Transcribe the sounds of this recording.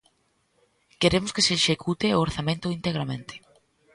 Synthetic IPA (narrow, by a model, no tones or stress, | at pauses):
keɾemʊskeseːʃekʰut̪eooɾθamẽnt̪ʊint̪eɣɾamẽnt̪e̥